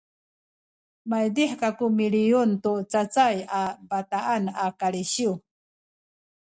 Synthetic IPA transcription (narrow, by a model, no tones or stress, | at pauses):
majd̪iħkakumilijunt̪ut͡sat͡sajabat̪aanakaɾiɕiw